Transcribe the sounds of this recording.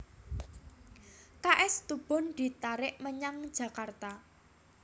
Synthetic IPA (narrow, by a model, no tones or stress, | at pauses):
kaʔɛst̪ub̥ɔ̤nd̪̥i̤t̪aɾɪʔməɲaŋ̥d͡ʒ̥ä̤kart̪a